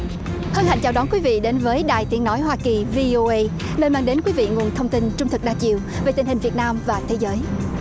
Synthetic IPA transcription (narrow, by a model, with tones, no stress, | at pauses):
hə˧nha̰˧˨jŋt͡ɕaː˧˩wɗɔ˨˦nkwi˨˦vḭ˧˨ɗe˨˦nvəː˨˦jɗaː˨˩jt̪i˨˦əŋnɔ˨˦jɦwaː˧ki˨˩vi˧ʔo˧ʔə˧j | nəː˧nmaː˧ŋɗe˨˦nkwi˨˦vḭ˧˨ŋu˨˩ənt̪ʰə˧wŋ͡mt̪i˧nt͡ɕʊ˧ŋ͡mt̪ʰɨ˨˩k̚ɗaː˧t͡ɕḭ˧˨əwve˨˩t̪ï˨˩ŋ̟hï˨˩ŋ̟vi˨˩ət̚naː˧mvaː˨˩t̪ʰe˨˦zəː˨˦j